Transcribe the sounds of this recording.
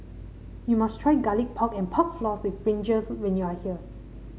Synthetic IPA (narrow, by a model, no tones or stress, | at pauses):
jumastʰɹajɡalik̚pʰɔkɛ̃npʰɔk̚flɔswifbɹĩnd͡ʒəswɛ̃njuahiə